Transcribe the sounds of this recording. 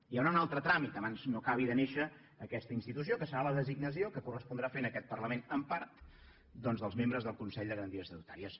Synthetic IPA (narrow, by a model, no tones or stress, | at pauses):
ijawnaunalˠt̪ɾət̪ɾamit̪əβanznokaβ̞iðəneʃəː | kɛst̪əinst̪it̪us̬iokəsəɾaləðəziɡnəs̬iokəkurəspund̪ɾafenəkɛt̪̚pərləmenəmpaɾt̪ | d̪ɔnzðəlˠzmembɾəzðəlˠkunsɛʎd̪əɣɾənt̪iəsəðut̪aɾiəs